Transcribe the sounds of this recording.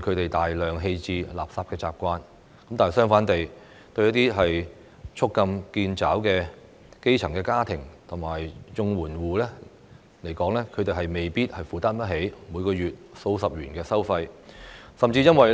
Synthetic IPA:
kʰɵ˨˧ɥt̪e˨jt̪aː˨jlœː˨˩ŋɦe˧jt͡siː˧la̰ː˨p̚saː˧p̚kɛː˧t͡sa̰ː˨p̚kʷaː˧n | kɐ˨˦mt̪aː˨n˨˩sœː˥ŋfaː˨˥nt̪e˨j | t̪ɵ˧ɥjɐ˥t̪iː˥ɦɐ˨j | t͡ʃʰʊ˥kːɐ˧mkiː˧nt͡saː˨˥wkɛː˧ | ke˥jt͡sʰɐ˨˩ŋkɛː˧kaː˥t̪ʰɪ˨˩ŋt̪ʰʊ˨˩ŋmaː˨˩jt͡ʃʊ˧ŋwuː˨˩nwuː˨lɛː˥ | le˨˩jkɔː˨˥ŋlɛː˥kʰɵ˨˧ɥt̪e˨jɦɐ˨jme˨jpiː˥t̚hɐ˨jfuː˨t̪aː˥npɐ˥t̚ɦe˨˥jmu˨˧jkɔː˧jyː˨˩t̚so˧wsɐ˨p̚jyː˨˩nkɛː˧sɐ˥wfɐ˧jsɐ˨mt͡siː˧jɐ˥nwɐ˨j

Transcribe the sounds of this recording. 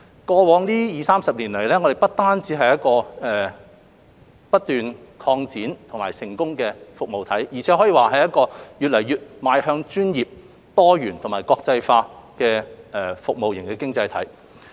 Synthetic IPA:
kɔː˧wɔː˨˧ŋliː˥jiː˨˧saː˥msɐ˨p̚liː˨˩nlɐ˨˩jlɛː˥ŋɔː˨˧ɾe˨˩pɐ˥t̚t̪aː˥nt͡siː˨˥ɦɐ˨jɐ˥t̚kɔː˧ɛː˨ | pɐ˥t̚t̪ːyː˨nkʰɔː˧ŋt͡siː˨˥nt̪ʰʊ˨˩ŋmaː˨˩jsɪ˨˩ŋkʊ˥ŋkɛː˧fʊ˨k̚mo˨wt̪ʰɐ˨˥jjiː˨˩t͡sʰɛː˨˥ɦɔː˨˥jiː˨˧waː˨˩ɦɐ˨jɐ˥t̚kɔː˧jyː˨t̚lɐ˨˩jyː˨t̚maː˨jhœː˧ŋt͡ʃyː˥njiː˨p̚ | t̪ɔː˥jyː˨˩nt̪ʰʊ˨˩ŋmaː˨˩jkɔː˧k̚t͡sɐ˧jfaː˧kɛː˧ɛ˨˩fʊ˨k̚mo˨wjɪ˨˩ŋkɛː˧kɪ˥ŋt͡sɐ˧jt̪ʰɐ˨˥j

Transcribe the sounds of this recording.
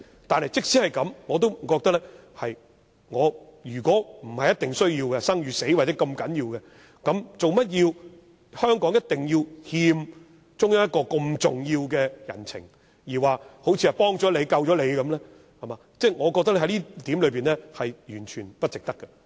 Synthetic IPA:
t̪aː˨nhɐ˨jt͡sɪ˥k̚siː˨˥hɐ˨˩jkɐ˨˥mŋɔː˨˧t̪̬o˥wm̩˨˩kɔː˧k̚t̪ɐ˥k̚lɛ˥ | hɐ˨j | ŋɔː˨˧jyː˨˩kʷɔː˨˥m̩˨˩hɐ˨jɐ˥t̪ɪ˨ŋsɵ˥ɥjiː˧wkɛ˧sɐ˥ŋjyː˨˧se˨˥jwaː˨˩t͡sɛ˨˥kɐ˧mkɐ˨˥njiː˧wkɛ˧ | kɐ˨˥mt͡so˨wmɐ˥t̚jiː˧w | hœː˥ŋkɔː˨˥ŋjɐ˥t̚t̪ɪ˨ŋjiː˧whiː˧m | t͡sʊ˥ŋjɐ˥jɐ˥t̚kːɔː˧ko˧mt͡sʊ˨ŋjiː˧wkɛː˧jɐ̰˨˩nt͡sʰɪ̰˨˩ŋ | jiː˨˩waː˨ho˨˥wt͡sʰi˧ɐ˨˩pɔː˥ŋt͡sɔː˨˥le˨˧jkɐ˧wt͡ʃɔː˨˥le˨˧jkɐ˨˥mlɛː˥ | hɐ˨˩maː˨˧t͡sɛː˥˩ŋɔː˨˧kɔː˧k̚t̪ɐ˥lɦɐ˨˥jliː˥t̪iː˨˥mlɵ˨˧ɥpiː˨nlɛː˥hɐ˨jjyː˨˩nt͡ʃʰyː˨˩npɐ˥t̚t͡sɪ˨k̚t̪ɐ˥kːɛ˧

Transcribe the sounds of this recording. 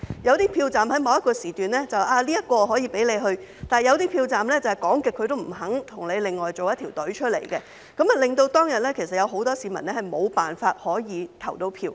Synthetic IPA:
jɐ˨˧wt̪iː˥pʰiː˧wt͡saː˨mhɐ˨˥jmɐ˨˧wjɐ˥t̚kɔː˧siː˨˩t̪yː˨nlɛː˥t͡sɐ˨wʔaː˧liː˥jɐ˥t̚kɔː˧ɦɔː˨˥jiː˨˧pe˨˥jle˨˧jɦɵ˧ɥt̪aː˨jɐ˨˧wt̪̬iː˥pʰiː˧wt͡saː˨˩mlɛː˥t͡sɐ˨whɛ˨jkɔː˨˥ŋkɪ˨kʰːɵ˧t̪o˥wm̩˨˩ɦɐ˨˥ŋt̪ʰʊ˨˩ŋle˨˧jlɪ˨ŋːɔː˨˩jt͡so˨wjɐ˥t̪ʰi˨˩wt̪ɵ˨˥t͡ʃʰɵ˥t̚lḛ˨˩jkɛ˧ | kɐ˨˥mɐ˨lɪ˨ŋt̪o˧wt̪ɔː˥ŋjɐ˨t̚lɛː˥kʰe˨˩sɐ˨t̚jɐ˨˧wɦo˨˥wt̪ɔː˥siː˨˧mɐ˨˩nlɛ˥hɐ˨jmo˨˧wpaː˨nfaː˧t̚hɔː˨˥jiː˨˧t̪ʰɐ˨˩wt̪o˧wpʰiː˧w

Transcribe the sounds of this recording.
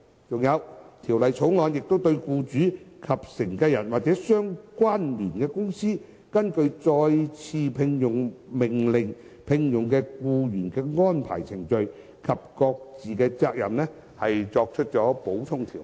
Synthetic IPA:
t͡sʊ˨˩ŋjɐ˨˧wt̪ʰiː˨˩wlɐ˨jt͡sʰo˨˥wŋɔː˨˧njɪ˨k̚t̪o˥wt̪ɵ˧ɥkuː˧t͡ʃyː˨˥kʰɐ˨p̚sɪ˨˩ŋkɛː˧jɐ˨˩nwaː˨˩k̚t͡sɛː˨˥sœː˥ŋkwaː˥nliː˨˩nkɛː˧kʊ˥ŋsiː˥ | kɐ˥nkɵ˧ɥt͡sɔː˧jt͡sʰiː˧pʰɪ˧ŋjʊ˨˩ŋmɪ˨˩ŋlɪ˨˩ŋ | pʰɪ˧ŋjʊ˨ŋkɛː˧kuː˧jyː˨˩nkɛː˧ŋɔː˥npʰa̰ː˨˩jt͡sʰɪ˨˩ŋt͡ʃɵ˨˧ɥ | kʰɐ˨p̚kɔː˧k̚t͡siː˨kɛː˧t͡saː˧k̚jɐ̰˨˩mnɛː˥ | hɐ˨jt͡sɔː˧k̚t͡ʃʰt̚t͡ʃɔː˨˥po˨˥wt̪ʰʊ˥ŋt̪ʰiː˨˩w

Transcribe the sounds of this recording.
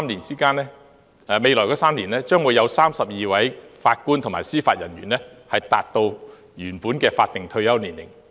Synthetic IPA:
mni˨˩nt͡siː˥kaː˥nlɛː˥ | ɛ˧˩me˨˧jlɔ˨˩jkɔː˧˥saː˥mliː˨˩nɛː˥t͡ʃœː˥ŋwu˨˧jɐ˨˧wsaː˥msɐ˨p̚jiː˨˧wɐ˨˥jfaː˧t̚ku˥nt̪ʰʊ˨˩maː˨˩jsiː˥faː˧t̚jɐ˨˩njyː˨˩nlɛː˥hɐ˨jt̪aː˨t̚t̪o˧w | jyː˨˩npuː˨˥nkɛː˧faː˧t̚t̪ɪ˨ŋt̪ʰɵ˧ɥjɐ˥wniː˨˩nlɪ̰˨˩ŋ

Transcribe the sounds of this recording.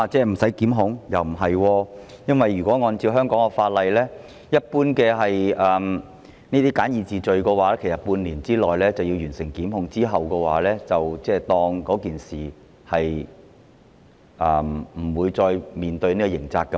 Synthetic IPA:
a˧t͡sɛː˥˩m̩˨˩sɐ˨˥jkiː˨˥mɦʊ˨˥ŋjɐ˨˩wm̩˨˩ɦɐ˨jwɔː˧jɐ˥nwɐ˨jɥyː˨˩kʷɔː˨˥ŋɔː˨˧nt͡siː˧wɦœː˥ŋkɔː˨˥ŋkɔ˧faː˧t̚lɐ˨jlɛː˥ | jɐ˥t̚puː˥nkɛː˧ɦɐ˨jʔɐː˨m | niː˥t̪iː˥kaː˨˥njiː˨˧t͡siː˨t͡sɵ˨ɥkɛ˧waː˨˦lɛ˥kʰe˨˩sɐ˨˩puː˧nliː˨˩nt͡siː˥lɔː˨jlɛː˥t͡sɐ˨wji˧wjyː˨˩nsɪ˨˩ŋkiː˨˥mɦʊ˨˧˥ŋt͡siː˥ɦɐ˨wkɛ˧waː˨˥lɛː˥t͡sɐ˨wt͡sɛː˥t̪ɔː˧ŋkɔː˨˥kiː˨nsiː˨˩ | hɐ˨j | ʔɐː˨mm̩˨˩wuː˨˧jt͡sɔː˧jmiː˨nt̪ɵ˧ɥniː˥kɔ˧jɪ˨˩ŋt͡saː˧k̚ːɐ˧

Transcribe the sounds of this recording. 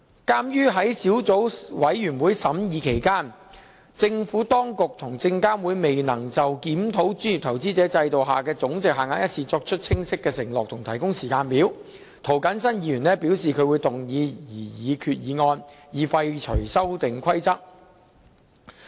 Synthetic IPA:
kaː˥mjyː˥ɦɐ˨˥jsiː˨˥wt͡so˨˥wwɐ˨˥jɥyː˨˩nwuː˨˧jsɐ˨˥mjiː˨˧kʰe˨˩jkaː˥n | t͡sɪ˧ŋfuː˨˥t̪ɔː˥ŋkʊ˨k̚t̪ʰʊ˨˩ŋt͡sɪ˧ŋkaː˥nwuː˨˧jme˨jnɐ˨˩ŋt͡sɐ˨wkiː˨˥mt̪ʰo˨˥wt͡ʃyː˥ni˨˩t̪ʰɐ˨˩wt͡siː˥t͡sɛː˨˥t͡sɐ˧jt̪o˨wɦaː˨kɛː˧t͡sʊ˨˥ŋt͡sɪ˨k̚haː˨˩ŋaː˨˧˥jɐ˥t̚t͡sʰiː˧t͡sɔː˧k̚t͡ʃʰɵ˥t̚t͡sʰɪ˥ŋsɪ˥kːɛː˧sɪ˨˩ŋlɔː˨k̚t̪ʰʊ˨˩ŋt̪ʰɐ˨˩jkʊ˥ŋsiː˨˩kaː˧npiː˨˥w | t̪ʰo˨˩wkɐ˨˥nsɐ˥njiː˧˥jyː˨˩nlɛː˥piː˨˥wsiː˨kʰɵ˧ɥwuː˨˧jt̪ʊ˨˩ŋjiː˨˧jiː˨˩jiː˨˧kʰyː˨t̚jiː˨˧ŋɔː˧njiː˨˩fɐ˧jt͡ʃʰɵ˨˩sɐ˥wt̪ɪ˨ŋkʷʰɐ˥jt͡sɐ˥t̚

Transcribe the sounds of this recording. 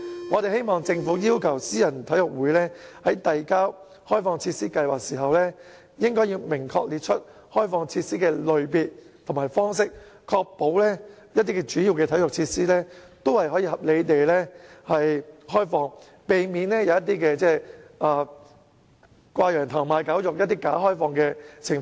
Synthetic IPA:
ŋɔː˨˧t̪e˨jhe˥jmɔː˨ŋt͡sɪ˧ŋfuː˨˥jiː˥wkʰɐ˨˩wsiː˥jɐ˨˩nt̪ʰɐ˨˥jʊ˨k̚wuː˨˥jlɛː˥hɐ˨˥jt̪ɐ˨jkaː˥w | hɔː˥jfɔː˧ŋt͡sʰiː˧t̚siː˥kɐ˧jwaː˨k̚siː˨˩ɦɐ˨wlɛː˥ | jɪ˥ŋkɔː˥ji˧wmɪ˨˩ŋkʰɔː˧k̚liː˨t̚t͡ʃʰɵ˥t̚ | hɔː˥jfɔː˧ŋt͡sʰiː˧t̚siː˥kɛː˧lɵ˨ɥpiː˨˧t̚t̪ʰŋmaː˨˩jfɔː˥ŋs̬ɪ˥k̚kʰɔː˧k̚po˨˥wlɛː˥jɐ˥t̚t̪i˥kɛː˧t͡ʃyː˨˥jiː˨˧wkɛː˧t̪ʰɐ˨˥jʊ˨k̚t͡sʰiː˧t̚siː˥lɛː˥t̪o˥whɐ˨jhɔː˨˥jiː˧ɦɐ˨p̚le˨˧jt̪e˨jlɛː˥hɐ˨jhɔː˥jfɔː˧ŋ | pe˨jmiː˨˧nlɛː˥jɐ˨˧wjɐ˥t̪̬ːiː˥kɛː˧t͡sɛː˥ʔaː˨˩ | kʷaː˧jœː˨˩ŋt̪ʰɐː˨˩ŋmaː˨˧jkaː˨˥wjʊ˨k̚jɐ˥t̚t̪iː˥kaː˨˥ɦɔː˥jfɔː˧ŋkɛː˧t͡sʰɪ˨˩ŋfː

